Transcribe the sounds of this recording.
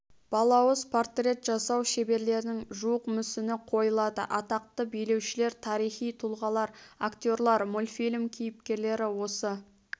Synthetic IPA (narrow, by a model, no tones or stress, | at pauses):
b̥ɑlˠɑwəzpʰort̪rʲe̞t̪ʒ̥ɑsɑwʃe̞be̞ɾle̞ɾɪnɪŋʒuwəqmʏsɪnɪqʰo̞jəlˠɑd̪ə̰ʔɑt̪ɑq̚t̪əbijle̞wʃɪle̞ɾt̪ʰɑɾijχijt̪ʰulˠʁɑlˠɑɾakt̪ʲo̞ɾlˠɑɾmolʲfilʲmkʲʰijɪpkʲe̞ɾle̞ɾɪwo̞sə